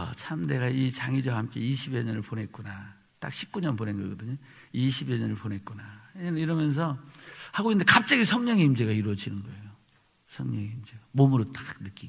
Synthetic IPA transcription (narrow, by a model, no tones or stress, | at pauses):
t͡ɕʰamne̞ɡait͡ɕaŋid͡ʑʌhamk͈e̞̰iɕʰibjeɲʌnɯɭponɦe̞t̚k͈una | t͈a̰k̚ɕʰi̥p̚k͈uɲʌnponenɡʌɡʌdɯɲo | iɕʰibjʌɲʌnɯɭponɦe̞t̚k͈unaiɾʌmjʌns̬ʰʌhaɡoinde̞kap̚t͡ɕ͈aɡisʰʌŋɲʌŋiimd͡ʑe̞ɡaiɾwʌd͡ʑinɯnɡʌe̞jo | sʰʌŋɲʌŋiimd͡ʑeɡamomuɾot͈ḁk̚nɯk͈iɡo